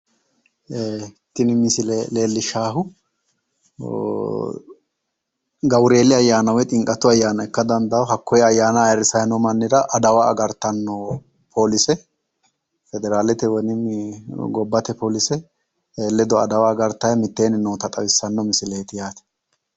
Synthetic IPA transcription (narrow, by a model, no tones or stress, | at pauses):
t̪ːɪnɪmɪsɪlɛleːlːɪʃaːɦʊ | ɡɐwɾe̞ːlɪɐjːaːnɐwɛt̪ʼɪŋkʼɐt̪ːʊɐjːaːnɐɛkːɐd̪ɐnd̪ɐwɦɐkːɔjɛɐjːaːnɐjɾɪsɐjnɔmɐnːɪd̪ɐʔɐd̪ɐwaːɡɐɾt̪ːɐnːɔ | pʰo̞ːlɪsɛ | fɛd̪ɛɾaːlɛt̪ɛwɔnɪ | ɡɔbːɐt̪ɛpoːlɪsɛ | eːlːɛd̪ɔɐd̪ɐwaːɡɐɾt̪ɐjɐmɪt̪ːe̞ːnɪnoːt̪ɐt̪ʼɐwɪsːɐnːɔmɪsɪleːt̪ɪjaːt̪ɛ̥